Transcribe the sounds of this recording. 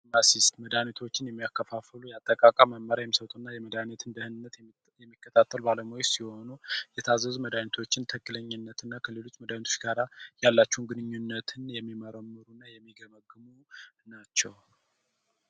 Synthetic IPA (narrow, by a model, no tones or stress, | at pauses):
masist̪məd̪anit̪ʰo̞t͡ʃːɪnjɛmːijakʰːəfafəlujat̪ʼːəkʼakʼamːəmmːəɾajɛmːisəwt̪ʼonːajɛməd̪anit̪ʰɨnd̪əhɨnɨnːət̪ | jɛmːikːət̪ʰat̪ʰːəlbaləmojɛsiho̞nujɛt̪ʰazːəzuməd̪anit̪ʰo̞t͡ʃːɪnt̪ʰəkʼːɨləɲːɨnːət̪ɨnːakʰəlelo̞t͡ʃːməd̪anit̪ʰo̥t͡ʃɡaɾajalːat͡ʃːɛwunɡɨnɨɲːunːət̪ʰɨnjɛmːiməɾəmːɨɾunːajɛmːiɡəməɡːɨmunat͡ʃːɛw